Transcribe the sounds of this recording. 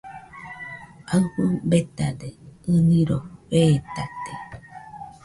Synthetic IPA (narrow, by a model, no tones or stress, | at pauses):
aɸɨbet̪ad̪eɨnĩɾoβeːt̪at̪e